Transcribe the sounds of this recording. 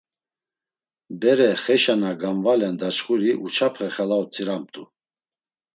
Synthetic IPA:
bɛɾɛχɛʃanaɡamvalɛnd̪at͡ʃχuɾiʔut͡ʃʰapʰχɛχɛlaut͡sʰʼiɾam̚t̪ʼu

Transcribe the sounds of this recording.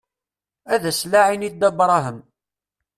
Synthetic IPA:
æðæslaʕinid̪ɑbɾˤɑɦəm

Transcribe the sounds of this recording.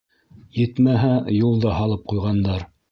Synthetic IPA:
jɘ̆t̪mæɦæjulˠd̪ɑhɑlˠɤp̚qujʁɑnd̪ɑɾ

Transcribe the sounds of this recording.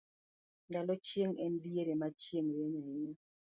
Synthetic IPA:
ŋɡalɔt͡ʃjeŋɛndieɾemat͡ʃjeŋɾeɲaɪɲɔ

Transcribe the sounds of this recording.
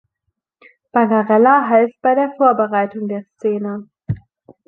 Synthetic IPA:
b̥anaʁɛlaɦaɪst̚b̥aɪdeːɐfoːɐbəʁaɪtʊŋdeːɐst͡seːnə

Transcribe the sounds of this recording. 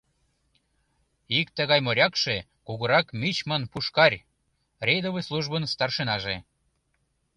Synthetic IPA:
ikt̪əɣɑjmoɾʲɑkʃe | kuɣuɾɑkmit͡ɕmənpuʃkɑrʲ | rʲejd̪oβəsluʒbənst̪ɑrʃenɑʒe

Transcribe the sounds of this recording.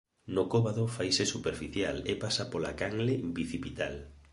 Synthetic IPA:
nokoβaðofajsesupeɾfiθjalepasapolakaŋlebiθipit̪al

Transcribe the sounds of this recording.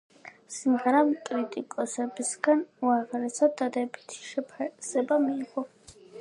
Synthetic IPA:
simʁɛɾamkʼɾit̪ʼikʼɔsɛbisɡanuaʁɾɛsad̪ad̪ɛbit̪ʰi̥ʃɛpʰasɛbamiːʁɔ

